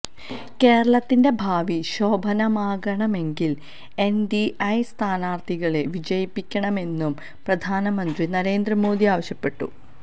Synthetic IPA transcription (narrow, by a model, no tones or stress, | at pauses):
ke̞ːɾɐɭɐt̪ːinde̞bʱaːʋiɕo̞ːbʱɐnɐmaːɡɐɳɐme̞ŋɡil | e̞ndiʔɐjst̪ʰaːnaːrt̪ʰiɣɐɭe̞ʋid͡ʑɐjipːikʲːɐɳɐme̞nːum | prɐd̪ʱaːnɐmɐnd̪rinɐɾe̞ːnd̪rɐmo̞ːd̪ʱiaːʋɐɕjɐpːe̞ʈːṵ